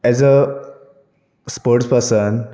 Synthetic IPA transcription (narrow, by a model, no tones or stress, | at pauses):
ɛzə | spoːɾʈspəɾsən